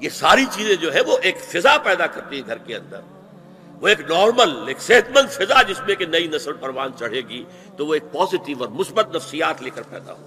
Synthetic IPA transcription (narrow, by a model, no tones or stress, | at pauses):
jesaːɾit͡ʃiːzẽd͡ʒoːɦɛ̃ʋoʔeːkfɪzapɛːd̪akɐɾt̪iɦɛ̃ɡʱɐɾkeɐ̰̃nd̪ə̰ɾ | ʋoeːknɔːɾməleːkseːt̪mə̃nd̪fɪzad͡ʒɪsmẽkenɐinɐsəlpɐɾʋaːnt͡ʃɐɽ̤eːɡi | t̪oʋoeːk̚pɔːzɪʈɪʋɔːɾmʊsbət̪nɐfsijaːt̪leːkəɾpɛ̰ːd̪a̰ɦo̰ː